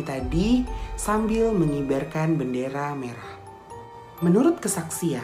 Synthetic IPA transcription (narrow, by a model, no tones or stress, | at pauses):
t̪adisambɪlməŋibarkanbəndeɾameɾah | mənuɾʊt̪̚kəsaksia